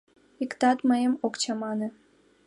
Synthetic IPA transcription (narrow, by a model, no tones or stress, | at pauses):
ikt̪ɑt̪məjəmokt͡ɕɑmɑnĕ